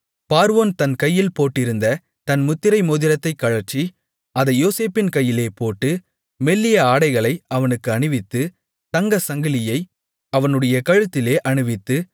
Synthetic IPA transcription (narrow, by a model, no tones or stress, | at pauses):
paːɾɯʋoːnt̪ɐnkɐjːɪlpoːʈːɪɾɯnd̪ɐ | t̪ɐnmʊt̪ːɪɾɐɪmoːðɪɾɐt̪ːɐɪkːɐɻɐɾt͡ʃːi | ʔɐðɐɪjoːseːpɪnkɐjːɪleːpoːʈːɯ | mɛlːɪjɐaːɽɐɪɣɐɭɐɪɐʋɐnɯkːɯɐɳɯʋɪt̪ːɯ | t̪ɐŋɡɐsɐŋɡɪlɪjɐɪ | ɐʋɐnɯɽɐjɐkɐɻɯt̪ːɪleːʔɐɳɯʋɪt̪ːɯ